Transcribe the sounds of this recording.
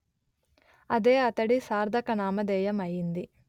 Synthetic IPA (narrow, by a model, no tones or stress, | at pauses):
ɐd̪eːɐt̪ɐɽisaːɾd̪ʱɐkɐnaːmɐd̪ɛːjɐmɐjːind̪i